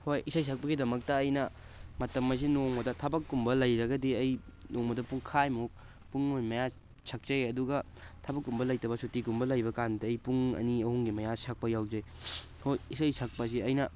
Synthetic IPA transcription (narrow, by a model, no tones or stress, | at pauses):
hojisɐjs̬ʰɐk̚pɐɡidɐmɐk̚tɐːjnɐ | mɐtɐmːɐs̬inoŋmɐdɐtʰɐbɐkːumbɐlɐjɾɐɡɐdiɐjnoŋmɐdɐpuŋkʰajmuk̚ | puŋːojmɐja | sʰɐk̚t͡ʃɐjɐduɡɐ | tʰɐbɐkːumbɐlɐjtɐbɐsutikumbɐlɐjbɐkandiːjpuŋɐ̰niɐhuŋɡimɐjasɐk̚pɐjawzɐj | hojisɐjsɐk̚pɐs̬iɐjnɐ